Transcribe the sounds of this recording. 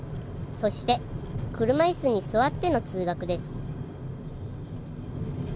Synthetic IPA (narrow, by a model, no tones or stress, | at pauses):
so̞ɕi̥t̪e̞kɯ̟ɾɯ̟maisɨɲ̟isɨβat̪ːe̞no̞t͡sɨːɡakɯ̟d̪e̞sɨ̥